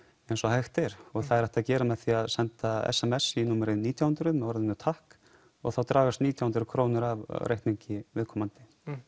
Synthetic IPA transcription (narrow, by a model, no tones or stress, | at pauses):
ejnsɔhajxt̪ɛɾ̥ɔɣθaðɛɾɛht̪aðcɛːɾamɛðθiaðsɛnt̪aɛ̰sɛmɛsinuːmɛɾɪniːt̪ʰjahʏnt̪ɾʏðmɛðɔɾðɪnʏt̪ʰahk | ɔ̰ɣθawt̪ɾaːɣast̪niːt̪jawhʏnɾʏkʰɾoːwnʏɾavrʔejht̪niɲcɪvɪðkʰɔmant̪ɪ̥